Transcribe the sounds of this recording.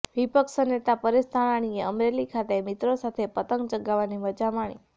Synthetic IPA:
ʋipəkʃənet̪apəɾest̪ʰaɽaɽ̃ieəmɾelikʰat̪emɪt̪ɾosat̪ʰepət̪əŋɡ̚d͡ʒəɡaʋaniməd͡ʒamaɽ̃ḭ

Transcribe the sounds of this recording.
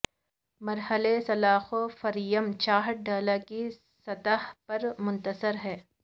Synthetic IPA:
mɐɾhəlesɐlaːxofɐɾijəmt͡ʃaːɦɖaːlaki | sɐt̪əɦpɐɾmʊ̃nt̪əsəɾɦɛː

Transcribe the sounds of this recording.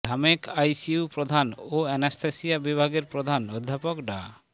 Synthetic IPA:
d̪ʱamekajsiupɾod̪ʱanoenest̪ʰesiabibʱaɡeɾpɾod̪ʱanɔd̪ʱːapokɖa

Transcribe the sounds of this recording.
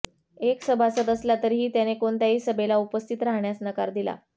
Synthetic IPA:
eksəbʱasət̪əsljat̪əɾɦiːt̪janekoɳt̪jaɦiːsəbelaupəst̪ʰit̪ɾaɦɳjasnəkaɾd̪ila̰

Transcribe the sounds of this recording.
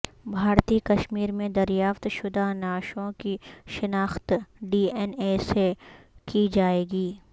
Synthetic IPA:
bʱaːɾt̪ikɐʃmiːɾmẽd̪ɐɾjaːft̪ʃʊd̪anaːʃõkiʃɪnaːxt̪ɖiːɛneːsekid͡ʒaːeːɡiː

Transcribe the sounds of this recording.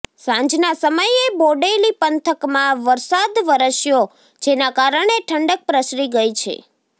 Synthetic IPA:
sãɲd͡ʒnasəməjeboɖelipənt̪ʰəkmãʋəɾsad̪ʋəɾəʃjo | d͡ʒenakaɾəɳeʈʰəɳɖək̚pɾəsɾiɡəjt͡ʃʰḛ

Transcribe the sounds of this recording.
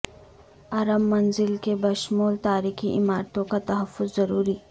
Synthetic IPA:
ɐɾəmːɐnzɪlkebɐʃmuːlt̪aːɾiːxiʔɪmaːɾt̪õkat̪ɐɦɐfːʊzːɐɾuːɾiː

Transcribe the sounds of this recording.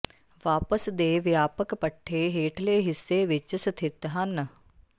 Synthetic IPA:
ʋaːpəsd̪eːʋjaːpəkpɐʈʰːeːɦeːʈʰleːɦɪsːeːʋɪt͡ʃəsɐt̪ʰɪt̪ɦɐnə

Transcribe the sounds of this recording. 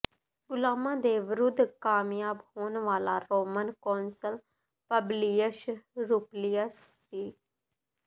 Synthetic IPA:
ɡʊlaːmãːd̪eːʋɾʊd̪ʱkaːmjaːbhoːnʋaːla̰ːɾoːmənkoːnsəl | pəbliːəʃɾuːplijəsːiː

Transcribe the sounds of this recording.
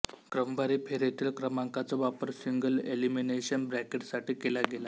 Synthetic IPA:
kɾəmbaɾipʰeɾjet̪ʰiːlkɾəmaŋkat͡sɔʋapəɾsiŋɡəlelimineɕənbɾækeʈsaʈiːkelaɡela

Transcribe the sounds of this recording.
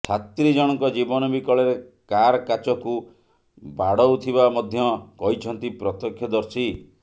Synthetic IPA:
sʰat̪ɾid͡ʒɔɽ̃ɔŋkɔd͡ʒibɔnɔbikɔɭeɾe | kaɾɔkat͡ʃɔku | baɽɔwt̪ʰibamɔd̪ʱjɔkɔɦit͡ʃʰɔnt̪ipɾɔt̪ɔkʰjɔd̪ɔɾsi

